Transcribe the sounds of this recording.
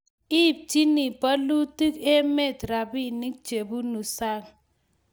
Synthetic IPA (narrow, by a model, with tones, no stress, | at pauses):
i˦˨p̚ti˦ni˨pa˦lu˦ti˦ke˦me˦˨tɾa˨bi˦ni˦k̚t͡ʃe˨bu˦nu˨sa˦ŋ